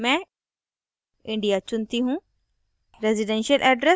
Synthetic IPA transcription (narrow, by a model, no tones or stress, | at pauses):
mɛ̃ | ɪ̃ɳɖijat͡ɕʊnt̪iɦũ | ɾeziɖenʃiəlʔɛːɖɾe